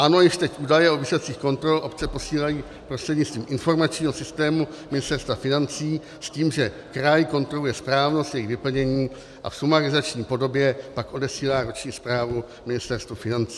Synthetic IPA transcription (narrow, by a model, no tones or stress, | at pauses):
ʔano̞jɪʃt̪ɛcʔuːdajɛovɪsot͡siːxko̞nt̪ɾo̞lʔo̞pt͡sɛpo̞siːlajiː | pɾost̪r̥ɛdɲɪtt͡st̪viːmʔɪnfo̞ɾmat͡ʃɲiːɦo̞sɪst̪ɛːmu | mɪnɪst̪ɛɾst̪vafɪnant͡siː | sciːmʒɛ | kɾajɪko̞nt̪ɾo̞lujɛspɾaːvnost̪jɛjɪxvɪpl̩ɲɛɲiː | ʔa̰fsumaɾɪzat͡ʃɲiːpo̞do̞bjɛpakʔo̞dɛsiːlaːɾot͡ʃɲiːspɾaːvu | mɪnɪst̪ɛɾst̪vufɪnant͡siː